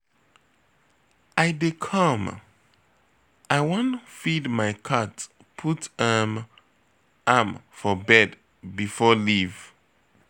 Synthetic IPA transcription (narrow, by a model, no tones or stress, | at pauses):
aɪdekʰʌm | aɪwõnfidmaɪkʰat | pʰutɛm | amfɔbɛd | bifɔliv